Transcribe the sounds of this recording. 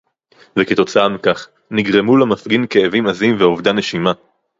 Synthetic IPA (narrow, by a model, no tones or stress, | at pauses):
veket̪o̞t͡saamikaχ | niɡʁe̞mulamafɡinkeːvimazimveo̞vd̪ane̞ʃima